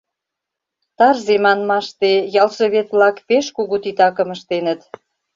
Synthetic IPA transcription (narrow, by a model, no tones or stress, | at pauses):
t̪ɑrzemɑnmɑʃt̪ejɑlʃə̆βet̪βlɑkpeʃkuɣut̪it̪ɑkə̆məʃt̪enət̪